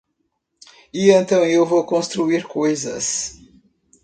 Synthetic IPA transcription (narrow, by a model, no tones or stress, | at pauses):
iẽnt̪ɐ̃w̃ewvowkõst̪ɾuiɾkojzɐ̰s